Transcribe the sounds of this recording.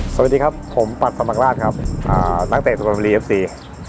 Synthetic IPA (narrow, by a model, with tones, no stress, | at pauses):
so˨˩˨diː˧kʰa˦˥pʰːo˩˦mpa˨˩t̪̚sa˧ma˨˩k̚laː˥˩nkʰa˦˥p̚ʔaː˨˩na˦˥k̚t̪eː˨˩sa˧˩˧liː˧ʔe˦˥p̚siː˧